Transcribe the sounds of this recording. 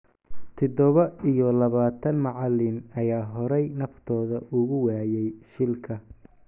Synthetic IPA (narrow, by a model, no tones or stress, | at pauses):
t̪ʰɔd̪ɔβɐijɔlɐβaːt̪ʰɐnmɑʕɑlɪnɐjaːɦɔɾɛjnɐft̪ʰɔːðɐʔʊɣʊwaːjɛjʃɪlkʰɐ